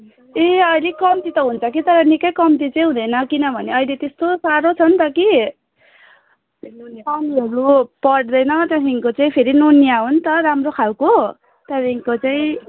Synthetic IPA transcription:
eʌjlekʌmt̪it̪ʌɦunt͡sʰʌkit̪ʌɾʌnikʌjkʌmt̪̬it͡saj̃ɦũd̪ʌjnʌkinʌbʱʌneʌjlet̪est̪osaɾot͡sʰʌnt̪ʌki | nonʌniɦʌɾupʌɽd̪ʌjnʌt̪jasʰiŋkot͡saĩpʰeɾinonijaɦunt̪ʌɾamrokʰawko | t̪ʌɾiŋkot͡saĩ

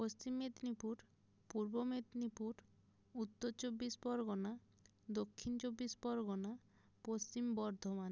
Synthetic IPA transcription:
post͡ɕimːed̪nipuɾ | puɾbomed̪nipuɾ | ut̪ːoɾt͡ɕobːisbɔɾɡona | d̪okʰːint͡ɕobːisbɔɾɡona | post͡ɕimbɔɾd̪ʱoman

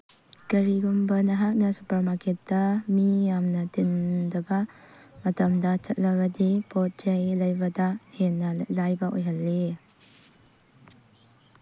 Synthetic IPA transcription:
kɐɾiɡumbɐnɐɦak̚nɐsupɐɾmakʰet̚dɐmijamnɐtindɐbɐ | mɐtɐmdɐt͡ʃɐt̚lɐβɐdipɔt̚d͡ʒɐjlɐjbɐdɐhenːɐlajbɐʔojɦɐlːe

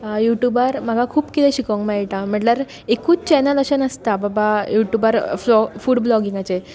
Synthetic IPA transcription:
juʈjubaɾm̤aɡʱakʰuːpkit̪ʰɛ̃ɕikəŋkmaɦiʈãm̤əɳʈləɾ | ekuːt͡st͡ɕɛnələɕənəst̪ababajuʈjubaɾfɔfuːɽblɔɡiŋɡat͡se

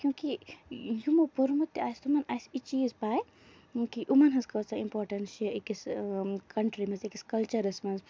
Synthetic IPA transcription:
kjũːkijumopuɾmut̪ːaːjst̪omɐnaːjsit͡ʃiːzpaːj | kiʔumɐnɦɐzkɐːsɐimpɔːʈɐnsiikiskʰɐɳʈɾimɐzikiskɐlt͡ʃɐɾɐsmɐz

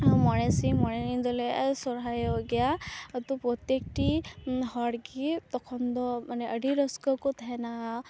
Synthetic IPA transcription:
mɔɽesimɔɽenid̪ɔlesɔɾɦajɔɡɛjaət̪upɾɔt̪jek̚ʈiɦɔɽɡit̪ɔkʰɔnd̪ɔmaneəɖʱiɾɔskɔkɔt̪ʰaɛnaɦ

